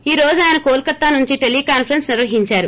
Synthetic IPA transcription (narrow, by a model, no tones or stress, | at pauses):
iːɾoːd͡ʒuaːjɐnɐkoːlkɐt̪ːaːnuɲt͡ʃiʈelikaːnpʰɐɾɐnsniɾʋɐɦiɲt͡ʃaːɾu